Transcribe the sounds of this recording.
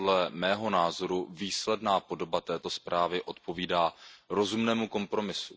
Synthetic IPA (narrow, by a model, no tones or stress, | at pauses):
dlɛmɛːɦo̞naːzo̞ɾuviːslɛdnaːpo̞do̞bat̪ɛːt̪o̞spɾaːvɪʔo̞t̪̚po̞viːdaːɾo̞zumnɛːmuko̞mpɾo̞mɪsu̥